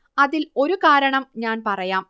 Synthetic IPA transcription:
ɐðilo̞ɾukaːɾɐɳɐmɲaːnpɐrɐjaːm

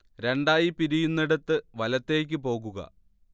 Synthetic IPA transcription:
ɾe̞ɳɖaːjipiɾijunːiɽɐt̪ːɨʋɐlɐt̪ːe̞ːk̬ʲːɨpo̞ːɣuɣɐ̰

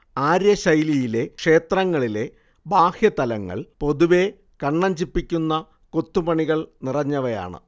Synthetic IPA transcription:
aːɾjɐɕɐjlijile̞kʂe̞ːt̪rɐŋːɐɭile̞ | baːhjɐt̪ɐlɐŋːɐ̰ɭpo̞ðuʋe̞ | kɐɳːɐɲd͡ʑipːikʲːunːɐ | kot̪ːupɐɳiɣɐɭnirɐɲːɐʋɐja̰ːɳɨ̰

